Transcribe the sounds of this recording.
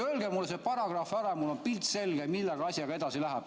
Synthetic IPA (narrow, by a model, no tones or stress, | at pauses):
ølɡemulːesepɑɾɑɡ̥rɑfɑɾemulo̞npilt̪se̞lɡ̥emilːeɡ̥ɑɑsʲjɑɡ̥ɑe̞d̪̥ɑsilæɦæb̥